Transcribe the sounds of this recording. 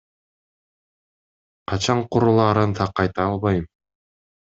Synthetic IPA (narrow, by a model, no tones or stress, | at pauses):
qɑt͡ɕɑɴquɾulˠɑːɾɤnt̪ʰɑqːɑjt̪ɑːlˠβɑjɯm